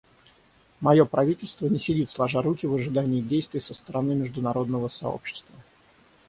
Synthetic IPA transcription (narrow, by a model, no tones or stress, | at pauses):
mɐjo̞pɾɐvʲitʲɪlʲst̪vənʲɪsʲɪdʲit̪slˠɐʐaɾukʲɪvəʐɨd̪anʲɪːdʲejst̪vʲɪjsəst̪əɾɐnɨmʲɪʐd̪ʊnɐɾo̞d̪nəvəsɐ̰o̰pɕːɪ̥st̪və